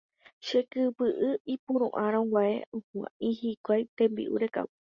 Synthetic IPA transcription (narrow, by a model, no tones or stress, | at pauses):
ʃe̞kɨpɨʔɨipũɾ̃ṵ̃ʔãɾõŋwʷaḛõhã̰ʔĩhikʷajt̪ẽ̞mbḭʔṵɾe̞ka̰u